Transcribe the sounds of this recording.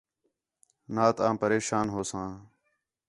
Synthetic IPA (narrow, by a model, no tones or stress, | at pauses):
naːt̪ãːpəɾeːʃaːnɦoːsãː